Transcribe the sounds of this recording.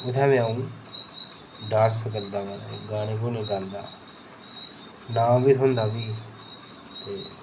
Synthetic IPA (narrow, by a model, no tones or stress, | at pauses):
ʊt̪ʰɛ̃ːmɛ̃ːaːũː | ɖaːɾsək̬əɾd̪aːmaːna̰ɡaːneːk̬oːnẽːɡaːnd̪a̰ː | nãːbit̪ɦʊnd̪aːbiː | t̪eː